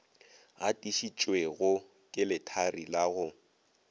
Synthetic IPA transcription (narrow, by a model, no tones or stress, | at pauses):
a̰tʼiʃit͡ʃʼweɣʊ | kʼɪlɪtʰarilaɣʊ